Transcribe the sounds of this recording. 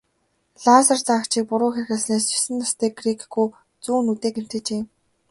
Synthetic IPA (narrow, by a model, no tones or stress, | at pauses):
ɮaːsə̆rt͡saːkt͡ɕʰiːk̚pʊɾʊːxer̆xə̆ɮsneːst͡ɕʊ̥sɘ̆nt̪ʰast̪ʰiːɡrikɡuj | t͡suːnut̪eːkem̥t̪ɘ̆t͡ɕeː